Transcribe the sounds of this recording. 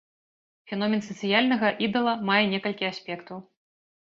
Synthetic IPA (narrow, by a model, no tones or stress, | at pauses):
fʲɛnɔmʲɛnsɐt̪sɨjalʲnɐɣɐʔid̪ɐlˠɐmajɛnʲɛkɐlʲkʲiasʲpʲɛkt̪ɐw